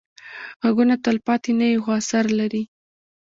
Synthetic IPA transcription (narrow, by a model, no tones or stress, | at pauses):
ɣaɡunat̪əlpɑt̪enajexoasaɾlaɾi